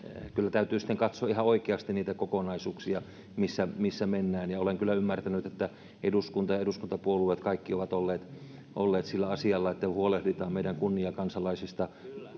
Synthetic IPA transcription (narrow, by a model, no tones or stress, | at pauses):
kylːæt̪æyt̪yːsĭ̥t̪ːeŋkɑt̪soɑihɑoikeɑst̪iniːt̪ækokonɑisuːksiɑ | misːæmisːæmenːæːnjɑoleŋkylːæymːært̪ænyt̪et̪ːæ | eduskunt̪ɑjɑeduskunt̪ɑpuoluet̪kɑikːioʋɑt̪olːeːt̪ | ʔolːeːt̪silːæɑsiɑlːɑet̪ːæhuolehdit̪ɑːmmeiɾæŋkunːiɑkɑnsɑlɑisist̪ɑ